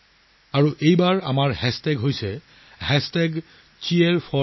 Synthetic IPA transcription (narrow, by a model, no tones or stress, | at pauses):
aɹuʔejbaɹa̰maɹhɛstɛɡɦojsɛ | ɦɛstɛɡ | t͡ʃieɹpʰɔ